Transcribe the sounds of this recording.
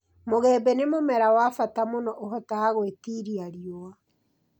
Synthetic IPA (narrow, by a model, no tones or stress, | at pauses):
moɣɛːbɛnemomɛɾawafatamonɔʔoɦɔtaaɣwetiɾiaɾjoa